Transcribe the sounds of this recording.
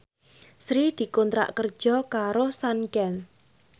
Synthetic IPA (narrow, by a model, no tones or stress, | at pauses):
sɾid̪̥i̤kont̪ɾa̰ʔkərd̥ʒ̥ɔ̤kaɾosankɛn